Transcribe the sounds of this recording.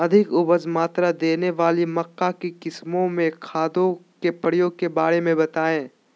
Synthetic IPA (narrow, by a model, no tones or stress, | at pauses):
ɐd̪ʱɪkʊbəzmaːt̪ɾad̪eːneʋaːlimɐkːakikɪsmõmẽkʰaːd̪õkepɐɽ̤ijõkebaːɽemẽbɐt̪aːẽː